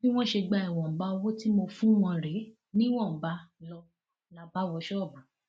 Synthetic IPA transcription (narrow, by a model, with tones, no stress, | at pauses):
i˦w̃ɔ̃˦ʃe˧ɡ͡ba˧i˨w̃ɔ̃˨ba˦˧wɔ˦ti˦mo˧fũ˦w̃ɔ̃˧ɾe˨˦ | nĩ˦w̃ɔ̃˦˨ba˨˦lɔ˧ | la˨˧ba˦wɔ˧ʃɔ˦ɔ˦˨ba˨˦